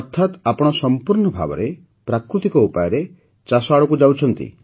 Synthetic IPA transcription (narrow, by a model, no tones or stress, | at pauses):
ɔt̪ʰːat̪apɔɽ̃ɔsɔmpuɾɳɔbʱa̰bɔ̰ɾe | pɾakɾut̪ikɔupajɔɾe | t͡ʃasɔaɭɔkud͡ʒawt͡ʃʰɔnt̪ḭ